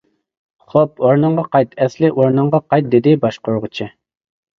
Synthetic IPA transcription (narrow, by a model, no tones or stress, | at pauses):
χop̚oɾnɨɴʁɑqɑjt̪ɛslɪʔoɾnəɴʁɑqɑjt̪̚d̪ɪd̪ɪbɑʃqoɾʁʊt͡ʃʰɪ